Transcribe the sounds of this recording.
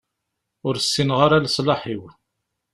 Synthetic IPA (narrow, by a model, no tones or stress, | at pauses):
ʊɾsːinʁaɾaləsˤlɑħiw